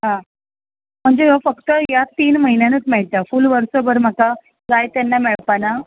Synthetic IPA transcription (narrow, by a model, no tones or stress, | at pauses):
ɦã | m̤əɳd͡zeɦafəkt̪əjat̪iːnməɦinjanət͡smɛɭt̪afulʋəɾsobəɾm̤əka | kajt̪janːameɭpana